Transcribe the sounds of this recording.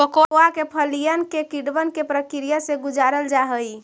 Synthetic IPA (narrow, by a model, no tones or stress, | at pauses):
əkooakepʰəlijənkekiɖbənkepɾəkiɾijəseɡud͡ʒaɾəld͡ʒaɦəj